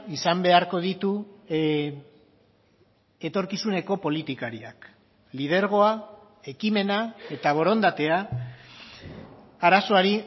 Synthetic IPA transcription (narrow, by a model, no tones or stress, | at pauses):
isambe̞aɾko̞ðit̪u | e̞t̪o̞ɾkisune̞ko̞po̞lit̪ikaɾia̰k | lið̞e̞ɾɣ̞o̞a | e̞kime̞nae̞t̪aβ̞o̞ɾo̞nd̪at̪e̞a | aɾaso̞aɾi